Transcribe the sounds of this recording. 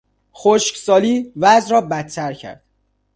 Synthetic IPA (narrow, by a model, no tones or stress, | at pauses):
xoʃcsɒːliːvæzɾɒːbæt̪t̪ʰːæɾcʰæ̰ɾd̪̥